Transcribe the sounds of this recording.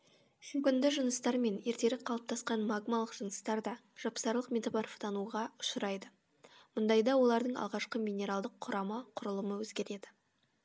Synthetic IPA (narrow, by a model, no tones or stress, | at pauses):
ʃʏmkʲɪnd̪ɪʒənəst̪ɑɾme̞ne̞ɾt̪e̞ɾɪqʰɑlˠəp̚t̪ɑsqɑnmaɡmalˠəqʒ̥ənəst̪ɑɾd̪ɑ | ʒ̥ɑpsɑɾlˠəqmʲet̪oparft̪ɑnuʁɑʊʃɾɑjd̪ə | mʊnd̪ɑjd̪ɑwolˠɑɾd̪əɴɑ̰lˠʁɑʃqəmʲinʲe̞ɾalˠd̪əqʰːʊɾɑməqʰʊɾəlˠəməwɵzɡʲe̞ɾe̞d̪ɪ